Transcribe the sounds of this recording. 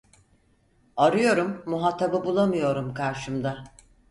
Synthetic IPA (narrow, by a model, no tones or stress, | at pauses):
aɾɯjo̞ɾumːuɦat̪ʰːababulˠamɯjo̞ɾumkʰaɾʃɯmd̪a